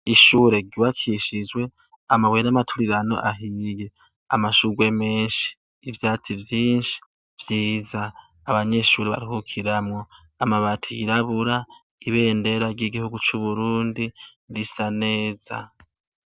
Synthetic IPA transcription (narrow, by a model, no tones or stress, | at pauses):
iʃuːɾe̞ɟuwakʰiʃid͡ʒwe̞ | amawenamatʰuɾiɾano̞̰ʔaɦiːje̞ | a̰maʃuɡwe̞me̞ːnʃi̥ː | vjaːt͡sivjiːnʃi̥ | vjiːzaː | βaɲe̞ʃuːɾeβa̰ɾiɦukʰiɾamŋo̞ | amaβatʰijiɾaβuɾa | iβe̞ːnde̞ɾaɾɟiɡihuɡut͡ʃuβuɾuːndindisane̞ːza̰